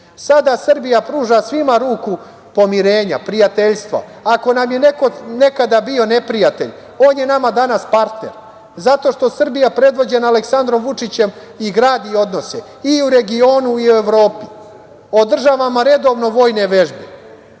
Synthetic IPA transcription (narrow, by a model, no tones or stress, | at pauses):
sad̪asr̩bijapɾuːʒasʋimaɾuːku | po̞miɾe̞ːɲa̰pɾijat̪e̞ʎst̪ʋa̰ako̞namje̞nekone̞kad̪abio̞ne̞pɾijat̪eʎ | o̞ːnjenamad̪anaspaɾt̪nḛɾ | zat̪o̞ʃt̪o̞sr̩bijapɾe̞d̪ʋo̞d͡ʑe̞naːleksand̪ɾo̞mʋut͡ʂit͡ɕe̞m | iɡɾaːd̪io̞d̪no̞se | iuɾe̞ɡio̞ːnuiue̞ʋɾo̞ːpi | o̞d̪r̩ʒaʋamaɾe̞d̪o̞ːʋno̞ʋo̞ːjne̞ʋe̞ʒbe